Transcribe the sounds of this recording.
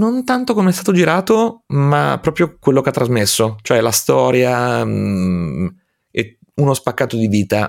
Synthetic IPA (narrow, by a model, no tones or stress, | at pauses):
nont̪ant̪okomeɛst̪at̪od͡ʒiɾaːt̪oma̰pːɾɔːpɾjokwelːokeat̪ːɾazmesːot͡ʃoɛlast̪ɔːɾja | e | unospakːaːt̪od̪id̪iːt̪a